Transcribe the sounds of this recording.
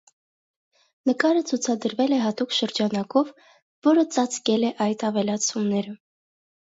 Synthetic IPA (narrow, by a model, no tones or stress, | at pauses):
nəkɑɾət͡sʰut͡sʰɑd̪əɾvɛlɛɦɑt̪ukʃəɾd͡ʒɑnɑkɔvː | ɔɾət͡sɑt͡skɛlɛʔɑjt̪ʰɑvɛlɑt͡sʰumnɛɾə